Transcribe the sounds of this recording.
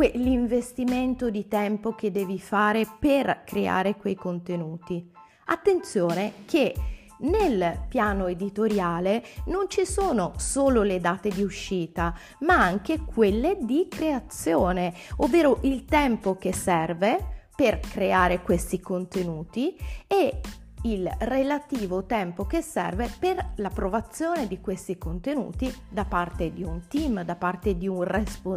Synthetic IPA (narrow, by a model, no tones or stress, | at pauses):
kweliɱvest̪iment̪od̪it̪ɛmpok̟ed̪ːɛːvifaːɾeperkɾea̰ːɾekwejkont̪enuːt̪i | a̰t̪ːent̪sjoːnekʰe | nelpjaːnoed̪it̪oɾjaːlenont͡ʃisoːnosoːloled̪aːt̪ed̪iuʃːiːt̪a | maaŋkekʰwelːed̪ikɾeat̪sːjoːneovːeːɾoʔilt̪ɛmpok̟esːɛrveperkɾeaːɾekwest̪ikont̪enuːt̪ie | ilrelat̪iːvot̪ɛmpokesːɛ̰rveperlapɾovat̪sːjoːned̪ikwest̪ikont̪enṵːt̪id̪apart̪ed̪iunt̪imd̪apart̪ed̪iunrespo